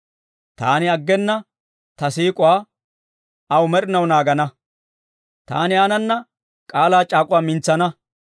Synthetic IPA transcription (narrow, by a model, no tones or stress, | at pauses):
t̪aːnɪɐɡːɛnːɐ | t̪ɐsiːkʼʊwaː | ɐwʊmɛɾɪnɐwnaːɡɐnɐ | t̪a̰ːnɪaːnɐnːɐ | kʼaːlaːt͡ʃʼaːkʼʊwaːmɪnt͡sːɐnɐ